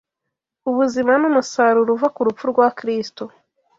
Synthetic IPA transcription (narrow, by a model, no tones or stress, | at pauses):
uβuzimanumusaɾuɾuvakuɾufuɾɡwakɾisto